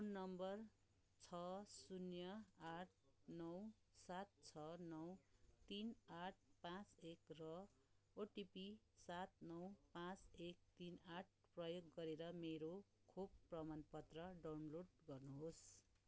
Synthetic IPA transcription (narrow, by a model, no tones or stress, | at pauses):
pʰunːʌmbʌr | t͡sʰʌsunjʌaʈ̚ʰnʌw | sat̪̚t͡sʰʌnʌwt̪inaʈ̚ʰpãt͡sekrʌ | oʈipi | sat̪̚nʌwpãt͡sek̚t̪inaʈ̚ʰprʌjoɡːʌɾeɾʌmeɾo | kʰobprʌmanpʌt̪rʌɖawnloɖɡʌrnuɦos